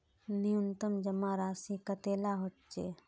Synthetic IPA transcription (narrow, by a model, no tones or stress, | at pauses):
nijʊnt̪əmd͡ʒəmaɾaːsikɐt̪eːlaɦoʈt͡ʃeː